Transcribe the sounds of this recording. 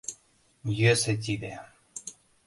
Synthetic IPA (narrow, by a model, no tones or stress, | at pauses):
jøset̪̬ʲid̪e